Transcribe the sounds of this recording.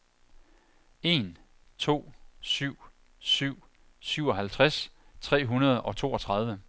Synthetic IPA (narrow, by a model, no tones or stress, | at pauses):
e̝n | t͡sʰo̝̰ːsyʊ̰ | syʊ̰ | syʊ̰ɒ̽ɦælt͡sʰʁas | t͡sʰʁɛ̰ːɦunɐð̞ˠɒ̽t͡sʰo̝̰ːɒ̽t͡sʰʁɑ̈ð̞ˠʋə